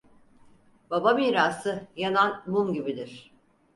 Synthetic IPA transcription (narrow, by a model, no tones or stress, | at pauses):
b̥abamiːɾaːsɯjananmumɟibid̪iɾ̥